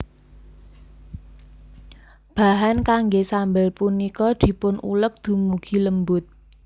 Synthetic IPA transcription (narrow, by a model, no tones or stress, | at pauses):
b̥a̤ɦankaŋɡesambəlpunikɔd̪̥i̤pʊnṵlək̚d̪̥ṳmuɡ̥i̤ləmbʊt̪̚